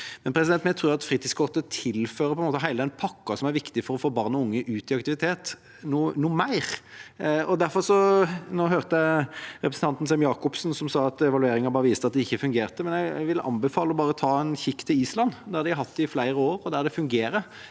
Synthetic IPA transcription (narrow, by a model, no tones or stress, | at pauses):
mɛnpʰɾɛsɪd̪ɛnt̪mɛːt̪ʰɾʉːɾɑt̪fɾiːt̪iːskʰɔʁt̪ət̪ʰɪlføːɾəpʰɔɛnmoːt̪əɦæɪld̪ɛnpʰɑkːɑsɔmæɾʋɪkt̪ɪfɔɾɔfɔɾbɑɾnəʊŋːəʔʉːt̪ɪɑkt̪ɪʋɪt̪ʰeːt̪ | nuːnuːmæɪɾ | ɔd̪æɾfɔɾsɔnoːɦøːɾt̪əəɾɛpɾsn̩t̪ɑnt̪n̩sɛmjɑːkɔpsn̩sɔmsɑːɑt̪ɛʋɑlʉeːɾɪŋɑbɑːɾəʋiːst̪əɑt̪̚d̪ɛɪçːəfʉŋɡeːɾt̪əmɛnjæɡæ̰ʋɪləʔɑ̰nbɛfɑːləɔbɑːɾət̪ʰɑːɛnçɪkːt̪ʰːɪliːslɑnːd̪æɾd̪ɪɑɾhɑt̪ːɪflæɪɾəoːɾɔd̪æɾd̪ɛfʉŋɡeːɾə